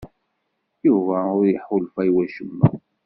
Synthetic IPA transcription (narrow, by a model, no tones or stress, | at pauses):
juvæʊɾjəħʊlfæjwæʃəmːæ̰